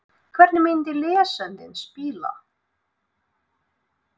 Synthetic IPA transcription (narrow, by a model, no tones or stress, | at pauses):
kʰvɛɾt̪nɪmɪnt̪ɪlɛːsɛnt̪ɪnspɪːla̰